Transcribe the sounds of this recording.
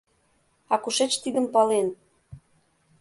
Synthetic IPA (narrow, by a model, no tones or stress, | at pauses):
ɑkuʃet͡ɕt̪id̪ə̆mpɑlen